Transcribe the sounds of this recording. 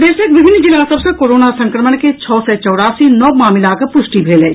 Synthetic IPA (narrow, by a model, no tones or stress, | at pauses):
d̪eːʃekʋɪbʱɪnːd͡ʒɪlaːsɐbsẽkoːɾoːnasɐ̃ŋkɾəmənket͡ʃʰɔːsɛt͡ʃɔːɽaːsinɔːmaːmɪlaːkəpʊʃʈibʱeːleː